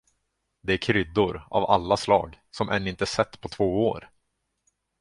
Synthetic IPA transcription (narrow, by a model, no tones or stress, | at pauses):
d̪ɛæɾkʰɾʏd̪ːʊɾa̰valːaslɑ̰ːɡsɔmʔɛ̰nːɪnt̪əsɛt̪ːpʰɔt̪ʰvoːoːɾ